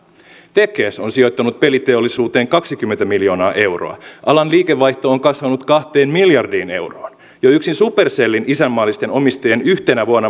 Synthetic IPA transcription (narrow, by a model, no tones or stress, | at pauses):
t̪ekˑeːso̞nsio̞jt̪ːɑnut̪̚pe̞lit̪e̞olːisuːt̪e̞ːŋkɑksik̟ymːe̞nt̪æmiljo̞ːnɑːʔe̞wro̞̰ɑ̰ʔɑlɑnliːkeʋːɑjht̪o̞oŋkɑsʋɑnut̪kɑht̪eːnmiljɑrdiːne̞wroːn | joyksinsupe̞rselːinʔisæmːɑːlːist̪e̞no̞mist̪ɑjenyht̪enæʋuɑnːɑ